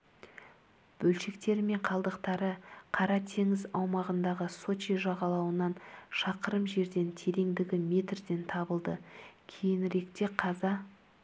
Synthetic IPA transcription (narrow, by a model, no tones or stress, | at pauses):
b̥ɵlʃe̞kt̪e̞ɾɪme̞ɴqʰɑlˠd̪əqt̪ɑɾəqʰɑɾɑt̪ʰe̞ŋɪzɑwmɑʁənd̪ɑʁəso̞t͡ʃiʒɑʁɑlˠɑwənɑnʃɑqəɾəmʒe̞ɾd̪e̞nt̪ʰe̞ɾe̞ŋd̪ɪɡʲɪme̞t̪rd̪e̞nt̪ʰɑbəlˠd̪əkʲʰe̞jɪnɾe̞kt̪e̞qʰɑzɑ